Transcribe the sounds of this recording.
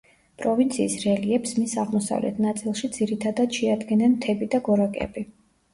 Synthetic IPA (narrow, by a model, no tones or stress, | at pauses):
pʼɾɔvint̪sʰiːsɾɛliɛpsmisaʁmɔsa̰vlɛ̰t̪ʰnat̪sʼilˠʃid̪z̥iɾit̪ʰad̪ad̪̥ʃɛad̪ɡɛnɛnt̪ʰɛbid̪aɡɔɾakʼɛ̰bi